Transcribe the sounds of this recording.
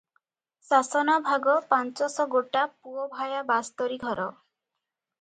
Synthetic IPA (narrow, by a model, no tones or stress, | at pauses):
sasɔnabʱaɡɔpant͡ʃɔsɔɡoʈapuɔbʱajabast̪ɔɾiɡʱɔɾɔ